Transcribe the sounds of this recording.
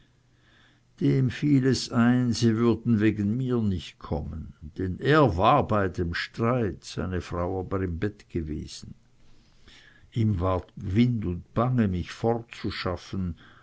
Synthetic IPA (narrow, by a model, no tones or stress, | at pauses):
d̥eːmfiːlɛsaɪnziːvʏɐdn̩veːɡən̩miːɐnɪçt̚kʰɔmənd̥ɛneːɐvaːɐbaɪdeːmʃtʁ̥aɪtz̥a̰ɪnəfʁ̥aʊaːbəʁɪmbɛtɡ̥əvḛːz̥n̩ | ʔiːmvaːɐtvɪndʊntb̥aŋəmɪçfɔʁtt͡suʃafən̩